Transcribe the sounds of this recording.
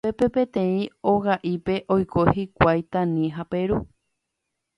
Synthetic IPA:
pepe̞pẽ̞t̪ẽ̞ĩoɣaʔipe̞ʔojkʰohikʷajt̪ãnĩɦape̞ɾu

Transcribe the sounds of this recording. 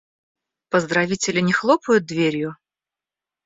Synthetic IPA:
pəzd̪ɾɐvʲitʲɪlʲɪnʲɪxlˠopʊjʊt̪̚d̪vʲeɾʲjʊ

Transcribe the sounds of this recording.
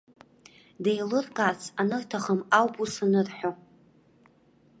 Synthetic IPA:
dejlɨrkʼasʰanɨrtʰaχəmawpʼusanɨrħʷᶣo

